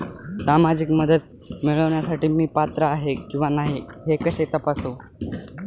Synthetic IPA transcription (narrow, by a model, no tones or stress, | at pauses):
samad͡ʑikməd̪əd̪̚ | miɭəʋɳjasaʈiːmiːpat̪ɾəaɦekĩw̃ʋanaɦiɦekəset̪əpaso